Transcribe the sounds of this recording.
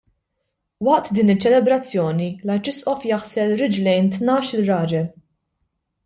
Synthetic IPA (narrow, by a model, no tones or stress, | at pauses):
wɐʔt̪d̪iːnɪt͡ʃːɛlɛbɾɐt͡sːjɔːnilɐjt͡ʃɪsʔɔfjɐħsɛlɾɪd͡ʒlɛjnt̪nɐːʃɪlɾɐːd͡ʒɛ